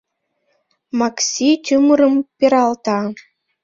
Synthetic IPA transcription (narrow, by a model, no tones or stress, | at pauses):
mɑksʲit̪ʲumɤ̆ɾɤ̆mpʲeɾɑlˠt̪ɑ